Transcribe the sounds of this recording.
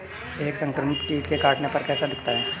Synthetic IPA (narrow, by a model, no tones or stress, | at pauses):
eːksə̃ŋkɾəmɪtkikekaːʈnepɐɾkɛːsad̪ɪkʰt̪aɦɛː